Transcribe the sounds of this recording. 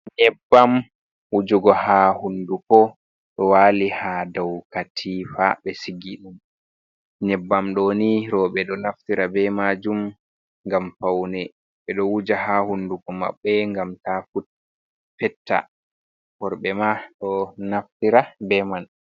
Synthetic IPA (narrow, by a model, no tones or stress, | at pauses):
ɲɛbːam | wud͡ʒuɡɔhahundukɔ | ɗɔwaːlihadawkatʰifa̰ɓɛsiɡiɗum | ɲɛbːamɗoniɾɔɓɛɗɔnaftiɾabɛmad͡ʒum | ŋɡamfawnɛ | ɓɛɗɔwud͡ʒahaːhundukɔma̰ɓːɛŋɡamtafut̚ | fɛtːa̰ | kɔɾɓɛmaɗɔnaftiɾabɛman